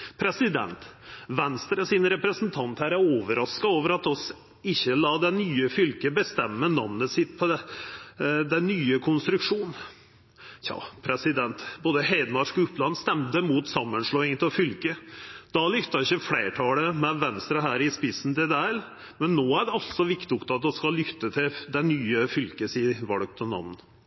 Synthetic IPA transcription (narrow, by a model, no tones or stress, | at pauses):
pʰɾɛsɪd̪ɛ̰nt̪ʋɛnst̪ɾəsɪnɾɛpɾəsnt̪ʰɑnt̪hæːɾæɾoːʋəɾɑskɑoːʋəɾɑt̪ɔs | ɪçːəlɑːd̪ɛnyːəfʏlkəbəst̪ɛmːənɑ̰ʋnəsɪt̪pʰɔɛ | d̪ɛnːyːəkʰʊnst̪ɾʉkʂuːn | jɑ̰ːpʰɾɛsɪd̪ɛnt̪boːd̪əheɪd̪əmɑɾʂkɔʊpːlɑnːst̪ɛmt̪əmuːt̪sɑmːənʂɭoːɪŋət̪ɔfʏlkəd̪̥ɑlʏft̪ːɑɾɪçəfleːʈʰɑːləmɛʋɛnst̪ɾɑɦæːɾɪspɪsn̩t̪ʰɪld̪æɛl | mɛnːoːæɖɛɑlt̪sɔʋɪkt̪ʊkt̪əɑt̪̚d̪ɔskɑlːʏt̪ːət̪ʰɪld̪ɛnyːəfʏlkəsiːʋɑlk̚t̪ɔnɑ̰ʋn̩